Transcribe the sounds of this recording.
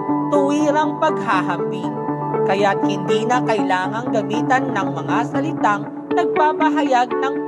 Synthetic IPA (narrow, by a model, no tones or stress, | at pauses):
t̪ʊwiːɾɐŋpɐɡ̚ɦaɦɐmbin | kɐjat̪̚hɪnd̪iːnɐkɐjlaːŋɐŋɡɐmiːt̪ɐnːɐŋmɐŋasɐlɪt̪aŋ | nɐɡ̚paːpɐɦɐjaɡ̚nɐŋ